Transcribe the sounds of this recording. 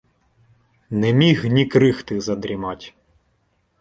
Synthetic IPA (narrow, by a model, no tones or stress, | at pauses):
nɛmʲiɣnʲikɾɪxt̪ɪzɐd̪ɾʲimɑtʲ